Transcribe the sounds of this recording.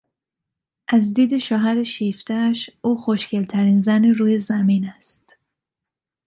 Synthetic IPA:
ʔæzd̪iːd̪e̞ʃɒːɦæɾeʃiːft̪æʃuːxo̞ʃcʰelt̪ʰæɾiːnzæniɾuːje̞zæmiːnæst̪

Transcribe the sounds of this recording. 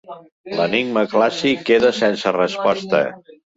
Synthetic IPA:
ləniɡ̚məklasikːeðəsensərəspɔst̪ə̰

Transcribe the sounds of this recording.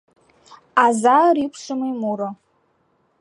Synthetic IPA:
azaɾipʰʂɨmɨjmuɾo

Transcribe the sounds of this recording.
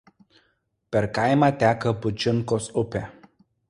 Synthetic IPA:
pʲɛɾkɑɪmɑːt̪ʲæːkɐbʊd͡ʒʲɪŋˑkoːsʊpʲeː

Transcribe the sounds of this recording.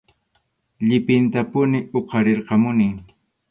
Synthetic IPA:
ʎɪpɪnt̪apʊnɪoqɑɾeɾqɑmʊniː

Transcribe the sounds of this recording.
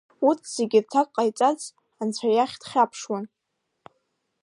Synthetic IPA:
utʰz̥eɡʲɪrtʰakʼqʼajt͡sʼat͡sʰʼ | ant͡ɕʷʰajaχʲd̥χʲapʰʂwan

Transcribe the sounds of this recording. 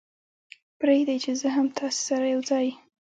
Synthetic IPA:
pɾed̪ajt͡ʃezəɦamt̪ʰɑse̥saɾajawd͡zɑj

